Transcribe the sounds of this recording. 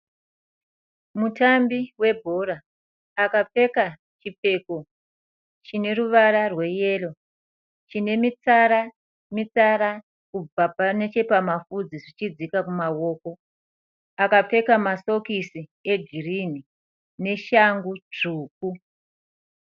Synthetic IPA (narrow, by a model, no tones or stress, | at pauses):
mutambiwe̞bʱoɾaː | kap͡fe̞ka | t͡ʃip͡fe̞ːko | t͡ʃine̞ɾuʋaɾarwe̞je̞lo̞ | t͡ʃine̞mit͡saɾa | mit͡saɾa | kub͡vapane̞t͡ʃe̞pamafud͡ziʐit͡ʃid͡zikakumawo̞ːko̞ | akap͡fe̞kamaso̞kisie̞d͡ʒirini | ne̞ʃaŋɡut͡ʂuːk̚u